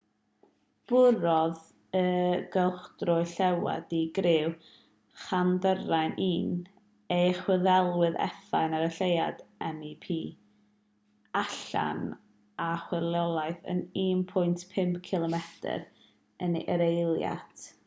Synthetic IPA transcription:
b̥ʊɾɔð | əɡəlˠχd̥rʊɨɬɛwa̰diɡɾɪw | χandərajnʔiːn | ejχwəðɛlˠwɪðɛ̰θajnaɾəɬejadɛmipʰiː | aɬa̰n | aχwɪrlˠɔlˠajθə̰niːnpʰʊjntʰpʰɪmpkʰɪlˠɔmɛtʰə̰ɾ | əniʔəɾejlˠja̰tʰ

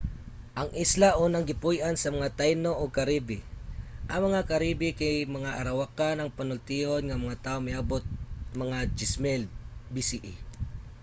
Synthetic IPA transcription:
ʔɐŋʔɪslaʔuːnaŋɡɪpujʔansɐmɐŋat̪ajnoʔoɡ̚kɐɾibɪʔɐŋmɐŋakɐɾibɪkajmɐŋaʔɐɾɐwakanɐŋpɐnʊlt̪ihonŋɐmɐŋat̪aːʔomajaːbot̪̚mɐŋad͡ʒɪsmɛlbisiʔi

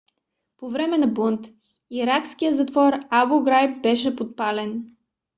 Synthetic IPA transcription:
povɾɛmɛnɐbont̪ | iɾakskijəzɐt̪vɔɾaboɡɾajp̚bɛʃ̬ɛpot̪̚palɛn

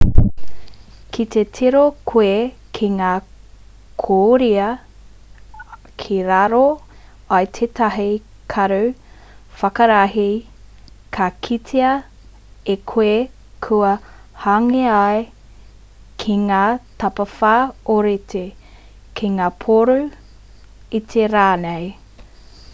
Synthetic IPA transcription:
kʰit̪ʰetʰiɾokʰwekʰiŋaː | kʰoɾiɐ | kʰiɾaɾo | ɐjt̪ʰet̪ʰɐɦi | kʰɐɾu | fɐkɐɾaɦi | kʰakʰitʰeɐ | ekʰwe | kʰuɐ | haŋeae | kʰiŋaːt̪ɐpɐfaːoɾet̪ʰe | kʰiŋaːpʰoɾu | it̪ʰeɾaːnej

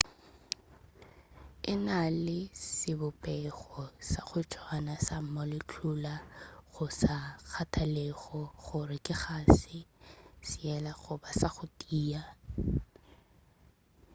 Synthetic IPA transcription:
ɪnalɪsɪbʊpʼɛɣɔsaχʊtʰwanasam̩mɔlɪt͡ɬʰʊlaɣʊsak͡xʰatʰalɛɣɔɣʊrɪkʼɪχaːsɪsɪɛlaɣʊbasaχʊtʼiːa

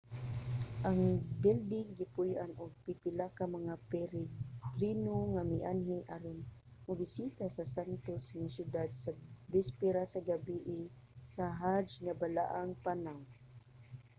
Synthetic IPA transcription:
ʔaŋbɪld̪ɪŋɡɪpʊjʔanʊɡ̚pɪpɪlakamaŋapɛɾt̪ɾinoŋamɪʔanɦɪʔaɾɪn | ʊbɪsit̪asasant̪osŋasjʊd̪ad̪savɪspɪɾasaɡabiʔɪ | saɦad͡ʒŋabala̰ʔaŋpanawŋ

